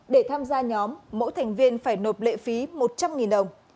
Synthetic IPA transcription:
ɗe˧˩t̪ʰaː˧mzaː˧ɲɔ˨˦mːo̰˧˥jt̪ʰa˨˩ŋ̟vi˧ənfaː˧˩jno˨˩t̚lḛ˧˨fi˨˦mo˨˩t̚t͡ɕa˧mŋi˨˩nɗə˨˩wŋ͡m

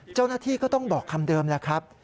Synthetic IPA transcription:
t͡ɕa˥˩wnaː˥˩t̪ʰiː˥˩kɔː˥˩t̪ɔ˥˩ŋbɔː˨˩kʰːa˧mdɤː˧mlɛ˦˥kʰɾa˦˥p̚

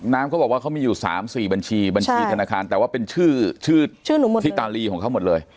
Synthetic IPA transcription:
naː˦˥mka˦˥wbɔː˨˩waː˥˩ka˦˥miː˧juː˨˩sa̰ː˩˦msiː˨˩ba˧nt͡ɕʰiː˧ba˧nt͡ɕʰiː˧a˧naː˧kʰaː˧nt̪ɛː˨˩waː˥˩pe˧nt͡ɕʰɯː˥˩t͡ɕʰɯː˥˩t͡ɕʰɯː˥˩nuː˩˦mo˨iː˦˥t̪aː˧liː˧˩kʰɔː˩˦ŋkʰa˦˥wmo˨˩t̪̚lɤː˧j

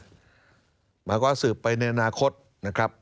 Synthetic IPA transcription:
maː˧kɔː˥˩sɯː˨˩pːa˧jna˧jʔa˧naː˧kʰo˦˥t̪̚ | na˦˥kʰɾa˦˥p̚

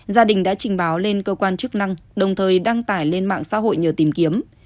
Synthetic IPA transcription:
zaː˧ɗï˨˩ŋ̟ɗa̰ː˧˥t͡ɕï˨˩ŋ̟ɓaː˨˦wle˧nkəː˧kwaː˧nt͡ɕɨ˦˥k̚na˧ŋɗə˨˩wŋ͡mt̪ʰəː˨˩jɗa˧ŋt̪aː˧˩jle˧nma̰ː˧˨ŋsa̰ː˧˥ɦo̰˧˨jɲəː˨˩t̪i˨˩mki˨˦əm

